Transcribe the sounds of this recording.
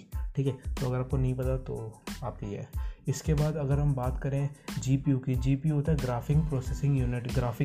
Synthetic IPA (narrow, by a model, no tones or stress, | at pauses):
ʈʰiːkɦɛt̪oɐɡəɾaːp̚konɐɦĩpɐt̪at̪o̰ːaːp̚kijɦɛ̰ːɪskebaːd̪ɐɡəɾɦɐmbaːt̪kɐɾẽd͡ʒiːpijuːkid͡ʒiːpiuoːt̪aɦɛɡɾaːfɪ̃ŋɡ̚pɾɔːsesɪ̃ŋɡjuːnɪʈɡɾaːfɪ̃